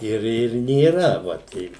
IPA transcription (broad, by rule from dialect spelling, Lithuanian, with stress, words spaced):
ˈɪr ɪr nʲeːˈrɐ ʋɐ ˈtʲɛɪ